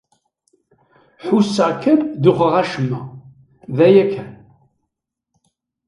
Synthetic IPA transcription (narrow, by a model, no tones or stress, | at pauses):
ħusːəʕkʰːænd̪uχəʁæʃəmːæ | ðæjækʰːæn